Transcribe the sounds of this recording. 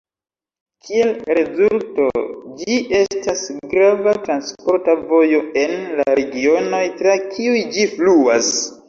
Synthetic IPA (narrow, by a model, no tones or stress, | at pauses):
kʰie̞lɾe̞zulto̞d͡ʒiʔe̞stasɡɾavatɾanspo̞ɾtavo̞jo̞e̞nlaɾeɡio̞no̞jtɾakʰiujd͡ʒifluas